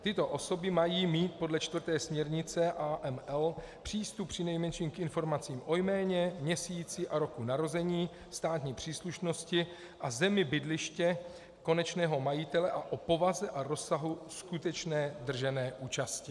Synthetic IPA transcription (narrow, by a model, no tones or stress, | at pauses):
t̪ɪt̪o̞ʔo̞so̞bɪmajiːmiːt̪̚podlɛt͡ʃt̪vr̩t̪ɛːsmɲɛɾɲɪt͡sɛʔaːʔɛmɛl | pr̝̥iːst̪up̚pːr̝̥ɪnɛjmɛnʃiːmkʔɪnfo̞ɾmat͡siːmʔo̞jmɛːɲɛmɲɛsiːt͡sɪʔaɾo̞kunaɾo̞zɛɲiː | st̪aːt̪ɲiːpr̝̥iːsluʃno̞scɪ | ʔazɛmɪbɪdlɪʃcɛ | ko̞nɛt͡ʃnɛːɦo̞majɪt̪ɛlɛʔaʔopo̞vazɛʔaɾo̞saɦuskut̪ɛt͡ʃnɛːd̪r̩ʒɛnɛːʔuːt͡ʃascɪ